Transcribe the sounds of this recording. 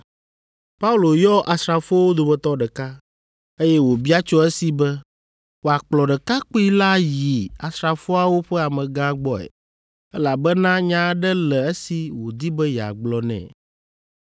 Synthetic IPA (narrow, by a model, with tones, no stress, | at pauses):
pa˦u˦lo˨jɔ˦ʔa˨sɾa˨fo˦wo˦d̪o˨bɛ˦t̪ɔ˦ɖɛ˨ka˦ | e˦jɛ˦wo˨bi˦a˦t͡ʃɔ˦ɛ˦si˨bɛ˦ | wo˨a˨k͡plɔ˨ɖɛ˨ka˦k͡po˦i˦la˦ji˨a˨sɾa˨fo˦a˨wo˦ɸɛ˦a˨mɛ̃˨ɡã˦ɡ͡bɔ˦ɛ̰˨ | ɛ˦la˨bɛ˦nã˦ɲã˦ɖɛ˦lɛ˨e˦si˨wo˨d̪i˦bɛ˦ja̰˨ɡ͡blɔ˨nɛ̰̃˨